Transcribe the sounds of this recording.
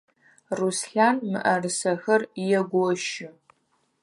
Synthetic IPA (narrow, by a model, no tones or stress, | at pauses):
rusɬaːnmɨ̰ʔɐrɨsɐxɐrjɛɡʷɔʃɪ